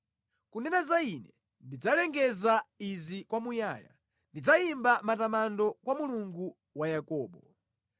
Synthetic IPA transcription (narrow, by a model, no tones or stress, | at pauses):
kunɛnazainɛ | ndid͡zalɛŋɡɛzaizikwamujaːja̰ | ndid͡zaimbamatamandɔkwamuluŋɡu | wajakɔːɓɔ